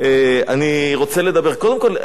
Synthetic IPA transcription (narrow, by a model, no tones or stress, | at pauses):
eaniʁo̞t͡sele̞d̪abe̞ʁko̞d̪e̞mko̞l